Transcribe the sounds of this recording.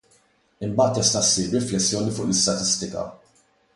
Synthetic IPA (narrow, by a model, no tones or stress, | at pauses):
ɪmbɐːt̪ːɛst̪ɐsːiːɾɾɪflɛsːjɔːnifʊːʔlɪst̪ɐt̪ɪst̪ɪkɐ̰